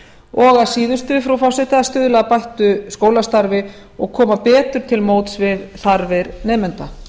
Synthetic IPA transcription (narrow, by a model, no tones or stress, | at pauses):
ɔɣasiːðʏst̪ʏfɾawfɔsɪt̪ɪast̪ʏːðʏlaapajht̪ʏskoːwlast̪aɾvɪ | ɔɣkʰɔːmapɛːt̪ʏɾ̥t̪ʰɪlmoːwt̪svɪðθaɾvɪɾnɛːmʏnt̪a